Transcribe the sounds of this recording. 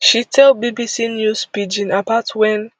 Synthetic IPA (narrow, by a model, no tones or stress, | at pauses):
ʃitʰɛlbibisinjuspid͡ʒĩnapatwɛ̃n